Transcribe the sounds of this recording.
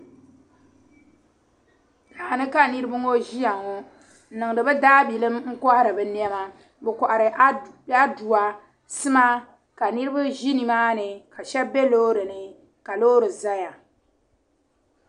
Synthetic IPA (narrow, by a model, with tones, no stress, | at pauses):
taː˨a˨nɨ˦ka˦nɨ˦ɾɨ˦bɨ˦ŋo˦ʒi˦ja˨ŋo˦˨˦ | nɨ˨ŋ˨dɨ˨bɨ˦daː˦bi˨lɨ˦mŋ̩˦kɔ˦ha˦ɾɨ˨bɨ˨n˦ɛ˦ma˦ | bɛ˨kɔ˨ʔa˨ɾɨ˨˦a˦du˨a˨ | sɨ˦ma˦ | ka˨nɨ˦ɾɨ˦bɨ˦ʒi˦ni˨maː˦nɨ˨ka˨ʃɛ˦bbɛ˦loː˦ɾɨ˨nɨ˨ | ka˨loː˦ɾɨ˨za˦ja˨